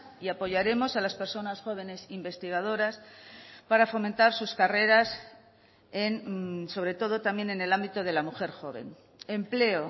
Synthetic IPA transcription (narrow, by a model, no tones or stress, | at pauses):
iapo̞ʝaɾe̞mo̞salaspe̞ɾso̞nasxo̞β̞e̞ne̞simbe̞st̪iɣ̞að̞o̞ɾaspaɾafo̞mẽnt̪aɾsuskare̞ɾas | enso̞βɾe̞t̪o̞ðo̞t̪amje̞ne̞ne̞lambit̪oð̞e̞lamuxe̞ɾxo̞β̞e̞̰n | e̞mple̞o